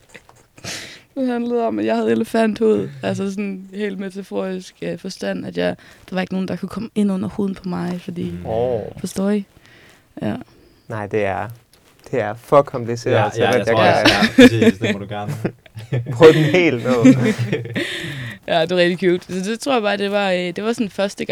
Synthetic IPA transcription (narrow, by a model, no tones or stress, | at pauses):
d̥eɦænləð̩ˠɒ̽mæjɑ̈hæð̞̩ˠeləfænd̥ho̝ð̰ˠæls̬əs̬ɔnhe̝̰ːlmet͡sʰæfo̝̰ːisɡ̥fɒ̽sd̥æn̰æd̥jɑd̥ɑ̈ʋɑ̈e̝ɡ̥əno̝ːn̩d̥ɑ̈kʰukʰɒ̽məe̝nɔ̽n̰ɐho̝ːðˠn̩pʰɒ̽mɑ̈ɪfɒd̥ḭːofɒsd̥ɔ̰ːi | jæ̰ | nɑ̈ɪ̰d̥e̝æɐ | d̥e̝æɐfɒ̽kʰɒ̽mpʰlise̝̰ɐ̰ɐ̰jɑæ | sd̥uɡ̥ɶɐn | pʰʁɔd̥nhḛːlnɔ | jʔæd̥e̝ɑʁɛɡ̥̚d̥ikʰuːld̥sɒ̽d̥e̝t͡sʰʁo̝ɐ̰jɑ̈b̥ɑːd̥e̝ʋɑ̈d̥e̝ʋɑ̈sɔ̽nfɶɐsd̥əɡ